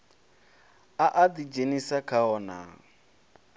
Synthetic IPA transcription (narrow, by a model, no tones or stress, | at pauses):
aʔadid͡ʒenisakʰaɔna̰